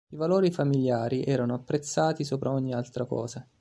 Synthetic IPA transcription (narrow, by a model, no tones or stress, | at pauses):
ivaloːɾifamiljaːɾiʔɛːɾanoapːɾet̪sːaːt̪isoːpɾaɔɲːialt̪ɾakɔ̰ːza